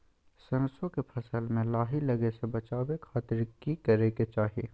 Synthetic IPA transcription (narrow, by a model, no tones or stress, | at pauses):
sɐnsõkepʰɐsəlmẽlaːɦilɐɡesebɐt͡ʃaːwekʰaːt̪ɪɾkikɐɾeket͡ʃaːɦiḛː